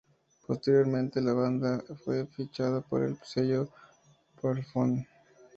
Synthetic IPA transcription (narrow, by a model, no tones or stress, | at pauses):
post̪e̞ɾjo̞ɾmẽ̞nt̪e̞laβand̪afwe̞fit͡ʃaðapo̰ɾḛlpseʝo | paɾfon